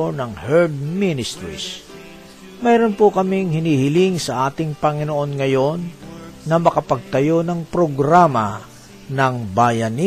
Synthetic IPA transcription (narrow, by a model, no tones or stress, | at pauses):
onɐŋhɛɹd̪̚minɪst̪ɾḭs | mɛjɾonpokɐmiŋhɪniːhɪlɪŋsɐʔaːt̪ɪŋpɐŋɪnoʔo̞nŋɐjo̞nːɐmɐkɐpɐɡ̚t̪ɐjo̞nɐŋpɾoɡɾamɐ | nɐŋbaːjɐni